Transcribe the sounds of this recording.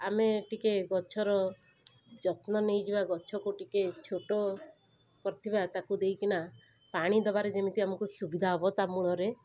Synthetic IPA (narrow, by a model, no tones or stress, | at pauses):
ameʈikeɡɔt͡ʃʰɔɾɔ | d͡ʒɔt̪nɔnejd͡ʒibaɡɔt͡ʃʰɔkuʈiket͡ʃʰoʈo | kɔɾit̪ʰibat̪akud̪ejkina | paɽ̃id̪ɔbaɾed͡ʒemit̪iamɔŋkusubid̪ʱaɦɔbɔt̪amuɭɔɾe